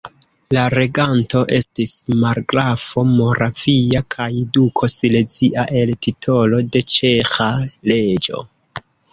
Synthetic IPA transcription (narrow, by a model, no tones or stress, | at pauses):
laɾe̞ɡanto̞ʔe̞stismaɾɡɾafo̞mo̞ɾafiakʰajdukʰo̞sile̞t͡siʔaʔe̞ltitʰo̞lo̞de̞t͡ʃe̞xale̞d͡ʒo̞̰